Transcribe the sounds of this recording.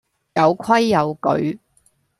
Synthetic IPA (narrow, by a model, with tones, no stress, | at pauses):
jɐ˨˧wkʰɐ˥jːɐ˨˧wkɵ̰˨˥ɥ